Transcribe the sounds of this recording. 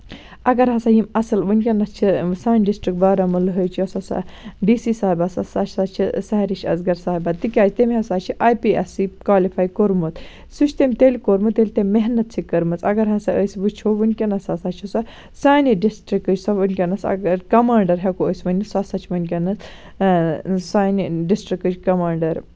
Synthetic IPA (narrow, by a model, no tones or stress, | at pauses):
ɐɡɐɾɦɐsajimɐsɐlʋɨnʲkʲenɐst͡ʃʰisaːnʲɖisʈɾik̚baːɾɐmɨlɨɦəjt͡ʃʰiɐsɐsa̰ɖiːsiːsaːibasɐsat͡ʃʰsaːt͡ʃʰisɐɦɾiʃɐ̰zɡɐɾsaːibat̪ikʲaːt͡ʃʰt̪emʲɦɐsaːt͡ʃʰiʔaːjpiesikwaːlifʰaːjkoɾmɨt̪ | sut͡ʃʰt̪emʲt̪elʲkoɾmɨt̪elʲt̪emeɦnɐt̪̚t͡ʃʰikɐɾmɨt͡sɐɡɐɾɦɐsaʔəjsibɨt͡ʃʰoːʋɨnʲkʲenɐsasaːt͡ʃʰisɐ | saːniɖisʈɾikːɨd͡ʒsɐʋɨnʲkʲɐnɐsɐ̰ɡɐɾkɐmaːɳɖɐɾɦekoəsʲʋɐnʲisɐsaːt͡ʃʰimɐnʲkʲɐnɐt͡s | saːniɖisʈɾikːɨd͡ʒkɐmaːɳɖɐɾ